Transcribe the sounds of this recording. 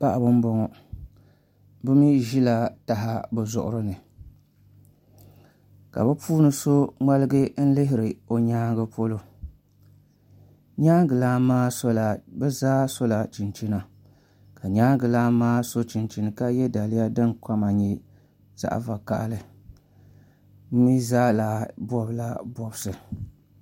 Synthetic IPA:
pa˦ʔa˨bʊ˦m˦bɔ˦ŋɔ˨ | bɨ˦mi˦ʒi˦la˨ta˨ɦa˦bɛ˨zʊ̰˨ʔʊ̰˦ɾɨ˦nɨ˨ | ka̰˨bɨ˦puː˦nɨ˦so˦ŋa˦lɨ˦ɡɨ˦n̩˦lɪ˦ɦɪ˦ɾɨ˨o˨ɲaː˦ɡɨ˦po˦lo˦ | ɲaː˦ɡɨ˨laː˦maː˦so˦la˨bɛ˦zaː˦so˦la˨t͡ʃi˨nt͡ʃi˦na˨ | ka˨ɲaː˦ɡɨ˨laː˦maː˦so˦t͡ʃi˨nt͡ʃi˨nɨ˨ka˦jɛ˦da˨lɪ˦ja˦dɨ˦nka˦ma˨ɲɛ˦ | z̥a̰˨ʔa̰˨va˨ka̰˨ʔlɨ˨ | m̩˦mi˦zaː˦la˨bɔ˦bɨ˦la˦bɔ˨bsɨ˨

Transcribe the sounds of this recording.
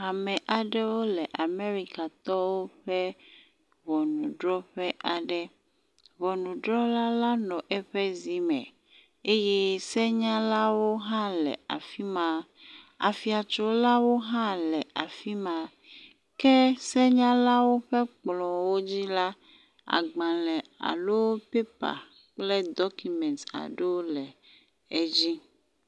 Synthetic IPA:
a˨mɛ̃˨ʔa˨ɖɛ˦wo˦lɛ˨ʔa˨me˦ɾi˦ka˨t̪ɔ˦wo˦ɸɛ˦ | βɔ˨nũ˨ɖɾɔ˦ɸɛ˦ʔa˨ɖɛ˦ | βɔ˨nũ˨ɖɾɔ˦la˦la˦nɔ̃˨ʔɛ˦ɸɛ˦zi˨mɛ̰̃˨ | e˦je˦sɛ˦ɲã˦la˦wo˦ɦã˦lɛ̰˨a̰˨fi˦mã˨ | a̰˨fi˨a˨t͡ʃɔ˦la˦wo˦ɦã˦lɛ˨a˨fi˦mã˨ | kɛ˦sɛ˦ɲã˦la˦wo˦ɸɛ˦k͡plɔ̃˨wo˦d͡ʑi˦la˦ | a̰˨ɡ͡bã˨lɛ˨a̰˨lo˦pe˦pa̰˨ | k͡plɛ˦d̪ɔ˦ku˨mɛ̃˨nta̰˨ɖe˦lɛ˨ | ɛ˦d͡ʑi˦

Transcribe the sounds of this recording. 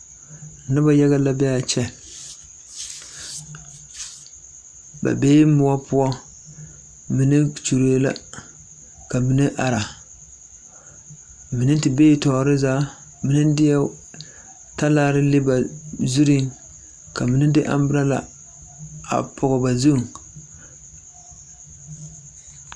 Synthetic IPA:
na˦ba˦ja˦ɣa˦la˦bɛ˦a˨t͡ʃɛ˦ | ba̰˨beː˦mʊ˦a˦pʊ˦ɔ˦ | mi˦nɨ˦t͡ʃu˨ɾo˨˦la̰˦ | ka˨mi˦nɨ˦ʔa˨ɾa˨ | mɨ˨nɨ˦n˦tɨ˨beː˦˨tɔː˨˦ɾɪ˦zaː˦ | mi˨nɨ˦n˦dɪ˦ja˦ | ta˦laː˦ɾɪ˦lɪ˦ba˨zu˦ɾi˦ŋ | ka˨mɨ˨nɨ˦dɪ˦ʔa̰˦mbɨ˦ɾa˦la̰˨ | a̰˨pʰʊ˨ɣʊ˨ba˨zu˦˨ŋ

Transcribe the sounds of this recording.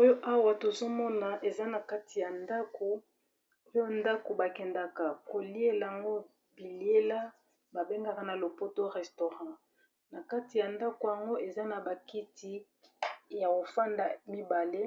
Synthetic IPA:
o˦jo˦ʔa˦wa˨to˨zo˦mɔ˦na˨ʔe˨za˦na˨ka˦ti˨ja˨nda˦ko˨ | o˦jo˦nda˦ko˨ba˨kɛ˨nda˨ka˨ko˨li˦e˦la˨a˨ŋɡo˦ | bi˨li˦e˦la˦ | ba˨be˦ŋɡa˦ka˨na˨lo˨po˦to˦ʁɛ˨sto˨ʁɑ̃˦ | na˨ka˦ti˨ja˨nda˦ko˨ja˨ŋɡo˦ʔe˨za˦na˨ba˨ki˦ti˦ | ja˨ko˨fa˦nda˨mi˦ba˨le˦

